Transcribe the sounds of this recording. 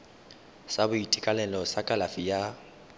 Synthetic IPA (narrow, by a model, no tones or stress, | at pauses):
sabʊitʼikʼalɛlɔsakʼalafija